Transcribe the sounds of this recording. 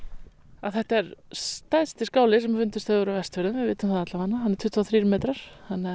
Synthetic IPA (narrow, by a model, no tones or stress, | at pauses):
aðθɛht̪aɛɾst̪ajðst̪ɪskaːwlɪsɛmfʏnt̪ʏst̪aʏɾavɛst̪vɛɾðʏmvɪðvɪːt̪ʏmkʰaðat̪lahanːaɦanːɛɾt̪ʰʏht̪vaθɾiːɾʏmeːt̪ɾaɾ̥θanːɪa